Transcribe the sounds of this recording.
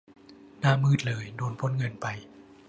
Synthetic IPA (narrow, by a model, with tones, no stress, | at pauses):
naː˧˩˨mɯː˥˩t̪̚lɤː˧jdoː˧npʰo˧˥˨nŋɤ˧npa˧j